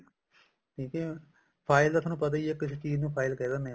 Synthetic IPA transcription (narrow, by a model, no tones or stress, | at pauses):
ʈʰiːkɛː | pʰaːɪlt̪at̪ʰaːnũːpət̪̬aieːkɪset͡ʃiːznũːpʰaːɪlkɛːd̪anẽː